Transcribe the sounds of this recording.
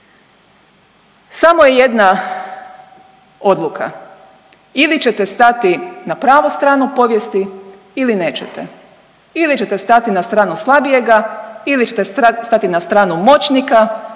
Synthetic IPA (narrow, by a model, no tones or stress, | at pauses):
samojeje̞d̪na | o̞d̪lˠukʰa̰ | ilit͡ɕet̪est̪at̪inapɾaːʋost̪ɾaːnupo̞ʋjest̪i | iline̞ːt͡ɕet̪ḛ | ilit͡ɕe̞t̪est̪at̪inast̪ɾaːnuslˠabije̞ɡailiet̪est̪at̪inast̪ɾaːnumo̞t͡ɕnika